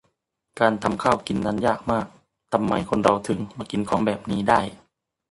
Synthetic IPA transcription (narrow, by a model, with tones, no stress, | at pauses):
kaː˨˧nt̪ʰa˧mkʰaː˥˩wki˨˩nna˧˥˩njaː˥˩k̚maː˥˩k̚ | t̪a˧mːa˧˩jkʰo˧nɾa˧wt̪ʰɯ˨˦ŋma˧ki˨˩nkʰɔː˩˦ŋbɛː˨˩p̚niː˦˥da˥˩j